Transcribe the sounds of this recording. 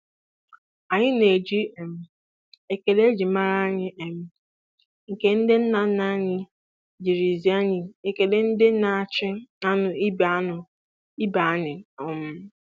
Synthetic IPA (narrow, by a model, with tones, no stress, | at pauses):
a˨ɲɪ˦ne˨d͡ʒi˦e˨m̩˦ | e˨ke˨de˦d͡ʒi˨ma˦ɾa˦a˦ɲɪ˦ʔe˨m̩˦ | ŋ̩˨ke˦n̩˦dɪ˦n̩˦na˨n̩˦na˦ɲɪ˦ | d͡ʒi˨ɾi˨zi˦a˦ɲɪ˨e˨ke˨de˦n̩˦dɪ˦na˨t͡ʃɪ˦a˦nʊ˨i˦ba˨˦ʊ˨ | i˦ba˨a˦ɲɪ˨ɔ˨mʊ˦